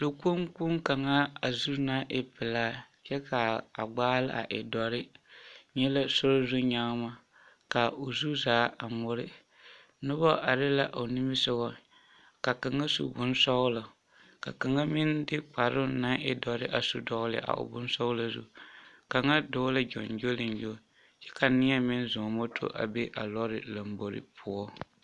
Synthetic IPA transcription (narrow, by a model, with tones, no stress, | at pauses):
lo˨ku˦mku˦ŋka˨ŋa˦a˨zu˦na˦ʔɪ˦pɪ˨laː˦ | t͡ʃɛ˦kʰa˨a̰˨ɡ͡baː˦lɪ˦a̰˨ʔɪ̰˨dɔ˨ɾɪ˦ɲɛ˦la˦sʊ˦ɾo˦zu˦ɲa˦ma˦ | ka˨o˨zu˦zaː˨˦a˨mʊ˦ɾɪ˦ | nʊ˦bɔ˦ʔa˨ɾɪ˦la˦ʔo˨nɪ˦mɪ˦sʊ˦ɣɔ˦ | ka˨ka˨ŋa˦sṵ˨bʊ˦n˦sɔ˦ɣʊ˦la˨ | ka̰˨ka˨ŋa˦mɪ˦ndɪ˦k͡pa˨ɾʊ˦na˦ŋɪ˦dɔ˨˦ɾɪ˦ʔa˨su˦dɔ˦ɣlɪ̰˨ʔa̰˨ʔʊ̰˨bʊ˦n˦sɔ˦ʊ˦la˨zṵ˦ | ka˨ŋa˦do˦la˦d͡ʒɔ̰˨nd͡ʒo˦lɪ˨nd͡ʒo˦ | t͡ʃɛ˦ka˨nɪ˦a˦mɪ˦n˦zʊ˨mo˦tʰo̰˦ʔa̰˨be˦ʔa̰˨lɔ˦ɾɪ˨la˨mbo˨ɾɪ̰˦pʰu˨ɔ˦